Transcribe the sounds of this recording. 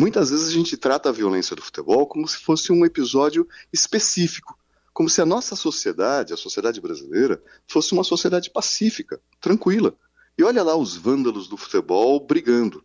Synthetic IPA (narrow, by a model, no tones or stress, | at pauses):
mũj̃t̪ɐzvezɪzaʒẽnt͡ʃɪt̪ɾat̪ɐːviolẽsijɐd̪ʊfu̥t̪ebɔwkõmʊsɪ̥fosɪũepizɔd͡ʒjʊɪspesifi̥kʊ̥ | kõmʊsɪɐnɔsɐsosied̪ad͡ʒɪɐsosied̪ad͡ʒɪbɾazḭlejɾɐ | fosɪũmɐsosied̪ad͡ʒɪpasifikɐ | t̪ɾɐ̃kwilɐ | ɪɔʎɐlaʊzvɐ̃nd̪ɐlʊzd̪ʊfu̥t̪ebɔwbɾiɡɐ̃nd̪ʊ